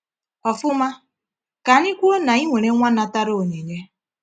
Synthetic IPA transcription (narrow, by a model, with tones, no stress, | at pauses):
ɔ˨fʊ˦ma˦ | ka˨ni˦kʷo˦na˨i˦ŋʷe˨ɾe˦ŋʷa˦na˨ta˦ɾo˦o˨ɲe˨ɲe˦